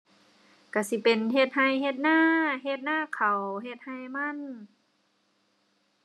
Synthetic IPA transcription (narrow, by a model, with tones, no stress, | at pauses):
ka˧˩si˧˦pe˨nɦe˧t̪̚ha˧˩jhe˧t̪̚naː˥˩ɦe˧t̪̚naː˥˨kʰa˨˩wɦe˧t̪̚ha˧jma˧˥˨n